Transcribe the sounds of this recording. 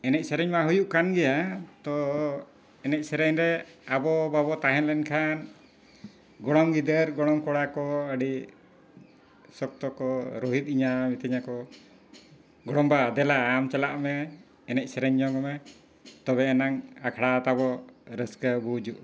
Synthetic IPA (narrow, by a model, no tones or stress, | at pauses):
ɛnɛc̚ˀsɛɾɛɲmaɦujuʔkanɡɛjat̪ɔ | ɛnɛc̚sɛɾɛɲɾɛabɔbabɔt̪aɦɛnlɛnkʰan | ɡɔɽɔŋɡid̪əɾɡɔɽɔŋkɔɽakɔəɖi | sɔk̚t̪ɔkɔɾɔɦit̪̚ˀiɲamit̪ʰəɲakɔ | ɡɔɽɔmbad̪ɛlaamt͡ʃɛlaʔmɛː | nɛc̚sɛɾɛɲːɔɡɔmɛ | t̪ɔβɛːnaŋakʰɽat̪abɔɾəskəbud͡ʒuʔ